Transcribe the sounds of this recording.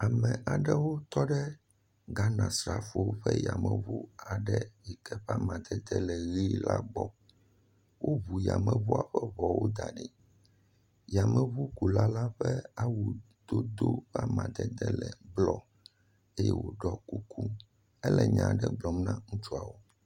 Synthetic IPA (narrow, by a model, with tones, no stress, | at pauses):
a˨mɛ̃˨ʔa˨ɖɛ˦wo˦t̪ɔ˦ɖɛ˦ | ɡa˦nã˨sɾa˨fo˨wo˦ɸɛ˦ja˨mɛ̃˨βu˦a˨ɖɛ˦ji˨kɛ˦ɸa˦mã˨d̪ɛ˦d̪ɛ˦lɛ˨ɣi˦la˦ɡ͡bɔ˦ | wo˦βu˨ja̰˨mɛ̃˨βu˦a˨ɸɛ˦βɔ˨wo˦d̪a˨ɖi˨ | ja˨mɛ̃˨βu˦ku˨la˦la˦ɸɛ˦a˦wu˨ | d̪̥o˦d̪o˦ɸa˦mã̰˨d̪ɛ˦d̪ɛ˦lɛ˨ɡ͡blɔ˦˨ | e˦jɛ̰˦wo˨ɖɔ˦ku˦kʰu˦ | ɛ˦lɛ˨ɲã̰˨ɖɛ˦ɡ͡blɔ˨mnã˦ŋũ˦t͡ʃu˦a˨wo˦